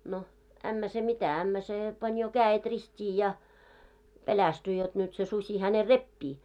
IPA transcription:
no æmːæ se mitæ æmːæ seˑ pɑnʲ jo kæːet ristʲiː jɑ pelæsty jot nyt se susi hæne repːiː

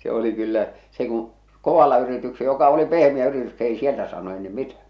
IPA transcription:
se oli kylːæ se kũː koʋɑlːɑ yritykse jokɑ oli pehmiæ yritys ei sieltæ sɑːnu ei nim mitæ

